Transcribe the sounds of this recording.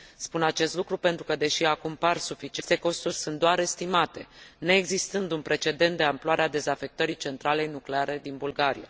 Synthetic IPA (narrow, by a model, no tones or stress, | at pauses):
spunat͡ʃe̞st̪lukɾupe̞nt̪ɾukəd̪e̞ʃiakumparsufit͡ʃiest̪e̞ko̞st̪urʲsɨnt̪d̪oaɾe̞st̪imat̪e̞neːɡzist̪ɨnd̪unpɾe̞t͡ʃe̞d̪e̞nt̪d̪e̞amploaɾead̪e̞zafe̞k̚t̪əɾit͡ʃe̞nt̪ɾale̞jnukleaɾe̞d̪inbulɡaɾḭja̰